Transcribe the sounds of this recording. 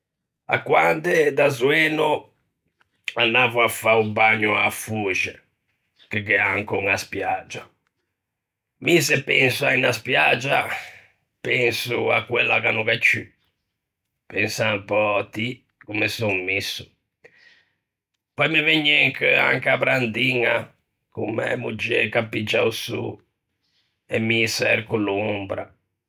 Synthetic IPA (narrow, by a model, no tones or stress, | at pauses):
a̰kːwand̪ed̪azwɛːnu | anːaːvuafaumbaɲːʊafuːd͡ʒɛ | kekɛaŋkoŋaspjad͡ʒa | misɛpɛnsuainaspjad͡ʒa | pɛnsua̰kːwɛlːa̰kanukat͡ʃːy | pɛnsaŋpɔt̪ːi | kumesuŋmisːu̥ | pɔjmiveɲːɛŋka̰ŋkapɾand̪iŋa | kumːɛ̰mud͡ʒɛkapːid͡ʒːa̰usṵ | ɛmːisɛɛɾkulumbɾa̰